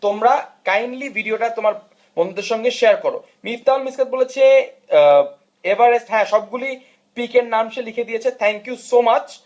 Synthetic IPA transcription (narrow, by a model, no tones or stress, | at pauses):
t̪omɾakajnlibʱiɖioʈat̪omaɾ | bɔnd̪od̪eɾʃɔŋɡeʃeaɾkoɾo̰ | miɾt̪almiskat̪̚bolet͡ɕʰe | ebaɾesɦɛ̃ʃɔb̚ɡuli | pikeɾnamʃelikʰed̪ijet͡ɕʰet̪ʰɛŋkijusomat͡ɕ